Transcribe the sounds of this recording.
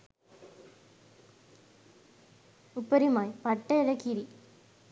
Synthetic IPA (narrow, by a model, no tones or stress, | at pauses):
upːɐɾimaːjpɐʈːɐlɐkːiɾi